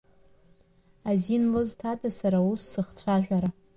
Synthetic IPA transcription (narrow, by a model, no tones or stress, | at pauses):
azinlɨztʰatʰasaɾausːɨχt͡sʷʰaʒᶣʷaɾa